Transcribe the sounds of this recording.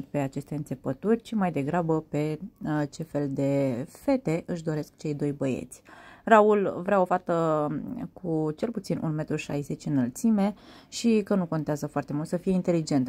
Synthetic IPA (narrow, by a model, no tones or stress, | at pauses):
t̪pe̞at͡ʃe̞st̪eɨnse̞pət̪urʲt͡ʃimajd̪e̞ɡɾabəpe̞t͡ʃe̞fe̞ld̪e̞fe̞t̪e̞ʔɨʃd̪o̞ɾe̞skt͡ʃe̞jd̪o̞jbəjḛt̪sʲraulvɾeao̞fat̪ə | kʰut͡ʃe̞lput̪sinʔṵnme̞t̪ɾuʃa̰jze̞t͡ʃʲɨnəlt̪sime̞ʃikənuko̞nt̪eazəfoart̪e̞mult̪səfije̞int̪e̞lid͡ʒe̞nt̪